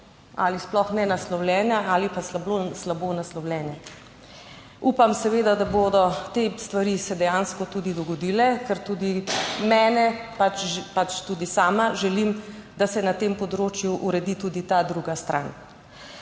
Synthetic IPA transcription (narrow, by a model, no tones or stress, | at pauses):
a̰lisplɔxnɛnaslɔwljɛːnjaaːlipaslaboslabonaslɔwlʲjɛnjɛ | uːpamsɛʋeːd̪ad̪aboːd̪ɔt̪est̪ʋaɾisɛd̪ɛjanskɔt̪ud̪id̪ɔɡɔd̪iːlɛkɛɾt̪uːd̪imɛːnɛpat͡ʃʒpat͡ʃt̪uːd̪isaːmaʒɛlimd̪asɛnat̪empɔd̪ɾoːt͡ʃjuʔuɾɛd̪it̪uːd̪it̪ad̪ɾuɡast̪ɾʔa̰n